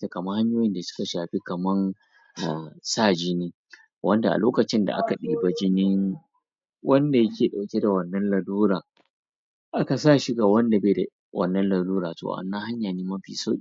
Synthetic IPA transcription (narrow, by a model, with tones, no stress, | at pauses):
a˨kɐ˨mɐ˦ha˦ɲjoː˦jɪ˦nda˨sʊ̥˦ka˨ʃaː˨ɸi˦kɐ˨mɐ˦n | ʔa˨saː˦d͡ʒi˦niː˦ | wʔɐ˦nda˨a̰˨loː˦kɐ˨t͡ʃɪ˦nda̰˨ʔa̰˦ka˨ɗiː˨ba˦d͡ʒɪ˦nɪ˦ŋ | wɐ˦nda˨jɐ˦kʲeː˨ɗa˨wkʲe˦da˨wɐ˨nːɐ˦nlɐ˨duː˦ɾaː˨ | ʔa˦ka˨saː˦ʃi˦ɡaː˨wɐ˦nda˨beː˨da˨ | wɐ̰˦˨nːɐ˦nlɐ˨duː˦ɾaː˨to̰˨ʔa̰˨nːa˦ha˦ɲjaː˨niː˦mɐ˦ɸḭː˨so̰˦˨